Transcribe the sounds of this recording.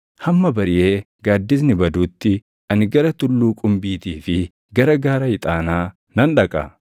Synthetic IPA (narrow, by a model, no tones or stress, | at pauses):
hɐmːɐbɐɾɪje̞ː | ɡaːd̪ːɪs̬nɪbɐd̪uːt̪ːɪ | ɐnɪɡɐɾɐt̪ʊlːuːkʼʊmbiːt̪iːfɪ | ɡɐɾɐɡaːɾɐhɪt̪ʼaːnaː | nɐnᶑɐkʼɐ̰